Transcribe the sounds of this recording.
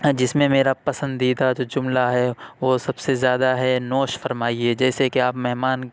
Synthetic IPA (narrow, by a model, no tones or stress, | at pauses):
d͡ʒɪsmẽmeːɾapɐsə̃nd̪iːd̪ad͡ʒoːd͡ʒʊmlaɦɛʋosɐbsezjaːd̪aɦɛnoːʃfɐɾmaːied͡ʒɛːsekiaːpmɛɦmaːn